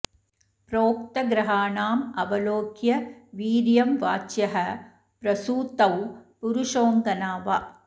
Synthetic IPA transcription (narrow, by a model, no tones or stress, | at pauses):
pɾoːk̚t̪ɐɡɾɐɦaːɳaːmɐʋɐloːɡjɐʋiːɾjɐmʋaːt͡ʃjɐɦɐ | pɾɐsuːt̪ɐwpuɾuʂoːŋɡɐnaːʋɐ